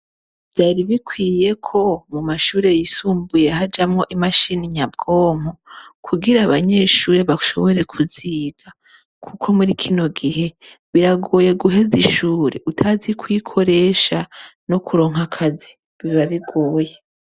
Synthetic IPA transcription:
v̥jaːɾiβikʰwiːje̞kʰo̞mumaʃuːɾe̞jisuːmbuje̞ɦad͡ʒamŋo̞ʔimaʃiniɲab̚ɡo̞ːm̥hokʰuɡiɾaːβaɲe̞ːʃuːɾe̞βaʃo̞̰βo̞ɾe̞kʰuziːɡ̥a | kʰukʰo̞muɾikʰino̞ɡiɦe̞ | βiɾaɡo̞ːje̞ɡuɦe̞ziʃuːɾḛʔutʰazikwiːkʰo̞ɾe̞ːʃano̞kuɾo̞ːŋɦakʰazi | βiβaβiɡo̞ːje

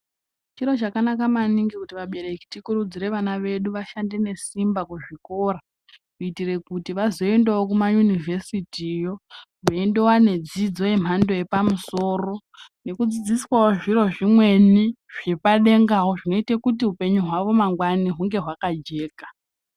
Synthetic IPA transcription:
t͡ʃiɾo̞t͡ʃakanakamaniŋɡikutiʋaɓe̞ɾe̞ki̥tikuɾud͡zire̞ʋanaʋe̞ɗuʋaʃande̞ne̞simbakuʐiko̞ra | kuitire̞kutiʋazo̞e̞ndewokumajunivʱe̞sitiːjo̞ | ʋoendewane̞d͡zid͡zo̞jem̤ando̞je̞pamuso̞ːro̞ | ne̞kud͡zid͡ziswawoʐiro̞ʐimwe̞ni | ʐ̥e̞paɗe̞ŋɡaɦoʐino̞itekutiɦupe̞ɲuɦwaʋo̞maŋɡwaniɦuŋɡe̞ɦwakad͡ʒe̞ːka

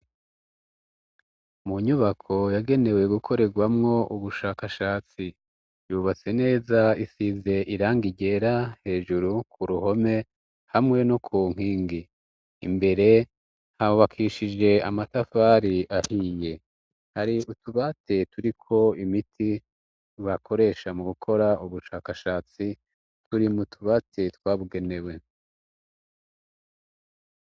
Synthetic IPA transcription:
muɲuβakʰo̞jaɡe̞ne̞we̞ɡukʰo̞ɾe̞ɡwamŋo̞uβuʃaːkaʃaːt͡si | juβat͡se̞ne̞ːzaisize̞ʔiɾaːŋɡiɟe̞ɾahe̞ːʒuɾukʰuɾuho̞me̞ | hamŋe̞nokʰuːŋ̥iːŋɡḭː | mbe̞ɾe̞ | haβakʰiʃid͡ʒe̞amatafaːɾiʔahije̞ | haɾiutuβatetuɾikʰo̞imitʰi | wakʰo̞ɾe̞ʃamuɡukʰo̞ɾauβuʃaːkaʃaːt͡si | tʰuɾimutʰuβatʰetwaːβuɡe̞ne̞we̞

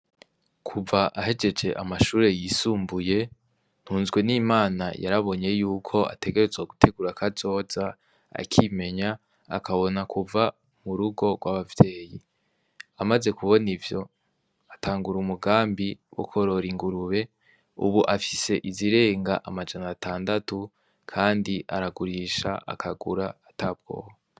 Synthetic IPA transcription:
kʰuvaʔahe̞d͡ʒe̞d͡ʒe̞ʔamaʃuːɾe̞jiːsuːmbuje̞ | n̥huːnzɡwe̞niːmaːna̰jʔa̰ɾaβo̞ɲe̞juːkʰo̞a̰te̞ɡe̞ɾe̞zwaɡutʰe̞ɡuɾakʰazo̞ːza | a̰kʰime̞ɲa | a̰kʰaβo̞nakʰuva | muɾuɡo̞ɡwaβavje̞ːji | amaze̞kuβo̞nivjo̞ | ataːŋɡuɾumuɡaːmbiwʔo̰kʰo̞ɾo̞ɾiŋɡuɾuβe̞ | ṵβuʔafi̥se̞ʔiziɾe̞ːŋɡaʔamad͡ʒanatʰaːndatu | kʰaːndiʔa̰ɾaɡuɾiːʃa̰ʔa̰kʰaɡuɾaːtab̚ɡ̥o̞̰ːho

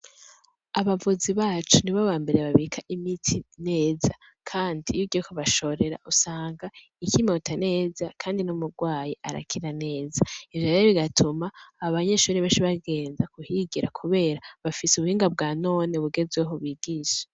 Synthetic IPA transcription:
aβavuziβaːt͡ʃuniβaβaːmbe̞ɾeβaβikʰaʔimitʰine̞ːza | kʰaːndijuɟokʰoβaʃo̞ɾe̞ɾa̰ʔusaːŋɡa | icimeutʰane̞ːzakʰaːndinumuɾɡwaːjiʔaɾa̰kʰiɾane̞ːzaivjajeβiɡatʰumaːaβaɲe̞ʃuːɾiβeːnʃiβaɡe̞ːnzakuhiɡiɾakʰuβe̞ːɾaβafisuβuhiːŋɡab̚ɡaːno̞ːne̞βuɡe̞zweɦoβiːɡiːʃe̥

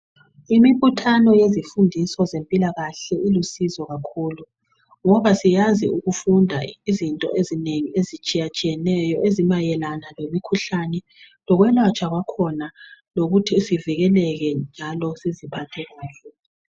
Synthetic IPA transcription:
imiβutʰanɔjezifundʱisɔzempʼilaɣaɬɛʔilusizɔɣakʰuːlu | ŋɔβasijaziuɣufundʱaizintʼɔ̰ʔezineŋiezit͡ʃʼijat͡ʃʼijɛnɛjɔʔezimajɛlanalemikʰuɬanɛ | lɔɣwɛnwat͡ʃʼaɣwakʰɔnaloɣutʰisiviɣɛlɛɣɛnd͡ʒʱalɔsizipʰatʰɛɣaːɬɛ

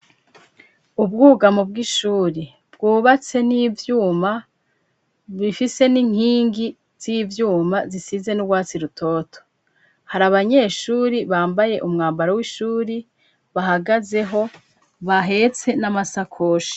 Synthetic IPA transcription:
ub̚ɡuːɡamobɡiʃuːɾi | bɡuːβat͡se̞nivjuːma | βifise̞niŋ̥hiːŋɡi | z̥ivjuːmazisize̞nuwaːt͡siɾutʰo̞tʰo̥ | haɾaβaɲe̞ʃuːɾiβaːmbaje̞ʔumŋaːmbaɾowiʃuːɾi | βaɦaɡaze̞ɦo̞ | βaɦe̞t͡se̞namasakʰoːʃi̥

